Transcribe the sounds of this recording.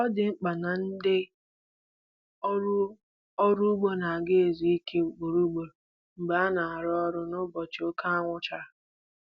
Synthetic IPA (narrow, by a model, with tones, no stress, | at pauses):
ɔ˦dɪ˨ŋ͡m̩˦k͡pa˨na˨n̩˦dɪ˦ | ɔ˦ɾu˦ɡ͡bo˦na˨ɡe˦e˨zi˦i˦ke˦ɡ͡bo˨ɾu˦ɡ͡bo˨ɾ | ŋ͡m̩˨ɡ͡ba˨˦a˦na˨a˨ɾɔ˦ɾʊ˦nʊ˦bɔ˨t͡ʃo˦ka˦a˦ŋʷʊ˦t͡ʃa˦